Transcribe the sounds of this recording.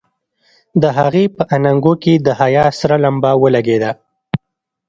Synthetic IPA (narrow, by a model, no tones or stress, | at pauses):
d̪əɦaɣepəʔanaŋɡoked̪əhajɑsɾalambɑwəlaɡed̪a